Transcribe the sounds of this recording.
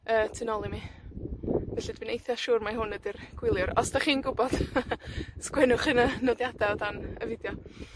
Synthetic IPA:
əːtʰɪnɔlˠimi | vɛɬidvɪnejθjaʃuːrmaɦʊnədɪrɡ̥wɪlˠjʊɾɔsd̥aχiːnɡʊbɔd̥ | skwɛnʊχɪnənɔdjadaɔdanəvɪdjɔ

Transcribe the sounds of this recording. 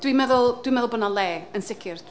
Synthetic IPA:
d̥wimɛðʊlˠd̥wimɛðʊlˠbɔnalˠɛːənsɪkʰɪr

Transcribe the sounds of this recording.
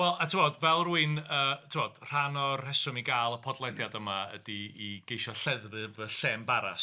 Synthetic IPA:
wɛlˠatʰɪmɔdvɛlˠruɨnəːtʰɪmɔd̥r̥anɔrhɛsɔmiɡaːlˠəpʰɔdlˠɛdjadəmaə̰diːɡ̥ejʃɔɬɛðvɨvəɬɛːmbaɾa̰s

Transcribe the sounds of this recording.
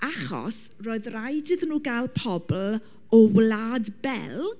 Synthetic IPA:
aχɔ̰sroːɨðrajdɪðnuːɡalˠpʰɔbl̩ | ɔwlaːdbɛ̰lˠ

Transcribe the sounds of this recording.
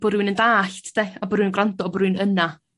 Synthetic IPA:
b̥ɔɾunəndaːɬtʰd̥eabɔɾuːnɡrantɔɔbɔɾuːnəna

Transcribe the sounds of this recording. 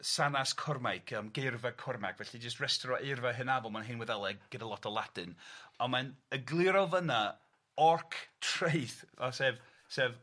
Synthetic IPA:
sanaskʰɔrmajkʰəmɡervakʰɔrma̰kʰvɛɬid͡ʒəs̬trɛstɾɔʔɪrvaɦɨnavɔlˠmanɦɪnwɛðɛlˠɛɡɡ̥ɪdalˠɔtʰɔlˠadɨnɔmanəɡlˠɪɾɔvəna | ɔrkʰtʰrejθɔsɛv | sɛːv

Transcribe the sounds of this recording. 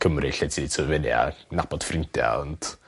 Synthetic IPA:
kʰəmrɨɬɛtʰitʰəvɛnia̰nab̥ɔd̥frɪntja̰ɔnt

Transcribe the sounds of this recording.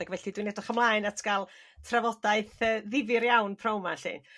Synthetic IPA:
aɡvɛɬidwinɛdɔχəmlˠaːɨnatʰɡ̥alˠ | tʰravɔdaɨθəːðɪvɪɾjawnpʰrowma̰ɬḭn

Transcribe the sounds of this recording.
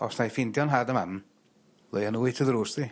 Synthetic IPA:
ɔ̰snajfɪndjɔnɦadəmam | lˠejanuːɨtʰəðɾuːsði

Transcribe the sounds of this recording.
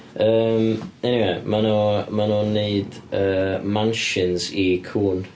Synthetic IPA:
əːmɛniweɪmanɔmanɔneɨdəːmãnʃɪnzikʰuːn

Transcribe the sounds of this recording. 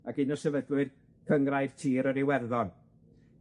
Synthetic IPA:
aɡɪnɔsɛvəɡlˠwɨð | kʰəŋrajv̥tʰiːɾɔɾiwɛrðɔn

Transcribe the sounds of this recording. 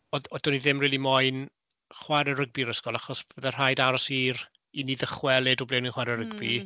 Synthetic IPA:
ɔðɔdɔniðɪmriːlˠimɔɨn | χwaɾɛɾəɡ̚biɾəskɔlˠaχɔsb̥əðɛr̥ajdaɾɔsiːr | iniðəχwɛlˠɛdɔblɛwniχwaɾɛɾəɡbi

